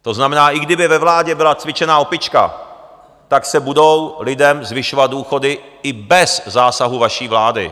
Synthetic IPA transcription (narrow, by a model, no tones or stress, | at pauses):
t̪o̞znamɛnaːʔɪɡdɪbɪvɛvlaːɟɛbɪlat͡svɪt͡ʃɛnaːopɪt͡ʃka̰ | t̪aksɛbudo̞wlɪdɛmzvɪʃovat̪̚duːxo̞dɪ | ɪbɛszaːsaɦuvaʃiːvlaːdɪ̰